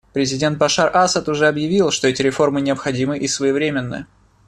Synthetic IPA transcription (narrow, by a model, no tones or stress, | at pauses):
pɾʲɪzʲɪdʲe̞nt̪̚bɐʂarʔasət̪ʊʐɛɐbjɪvʲilˠʂt̪o̞ɛtʲɪɾʲɪfo̞rmɨnʲɪɐpxɐdʲimɨʔisvəjɪvɾʲemʲɪnːɨ̰